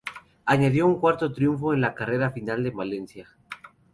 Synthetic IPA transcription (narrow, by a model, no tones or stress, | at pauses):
aɲaðjo̞uŋkwaɾt̪o̞t̪ɾjuɱfo̞e̞nlakare̞ɾafinald̪e̞male̞nsja